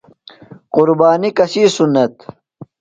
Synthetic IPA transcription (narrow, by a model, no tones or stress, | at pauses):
qʊɾbaːnikɐsiːsunːɐt̪